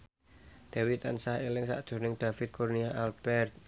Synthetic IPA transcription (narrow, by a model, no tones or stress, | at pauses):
d̪̥ewit̪ansahelɪŋsa̰ʔd̥ʒ̥ṳrnɪŋd̪̥afɪt̪̚kʰurniaʔalb̥ɛrt̪̚